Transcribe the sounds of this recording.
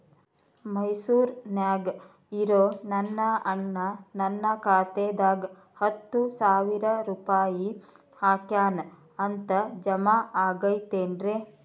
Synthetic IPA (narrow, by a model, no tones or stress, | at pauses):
mɐjsuːɾnjaːɡ | iɾoːnɐnːɐɐɳːɐnɐnːɐkaːt̪eːd̪aːɡ | hɐt̪ːusaːʋiɾɐɾuːpaːji | haːkjaːn | ɐnt̪ɐd͡ʒɐmaːaːɡɐjt̪eːnɾeː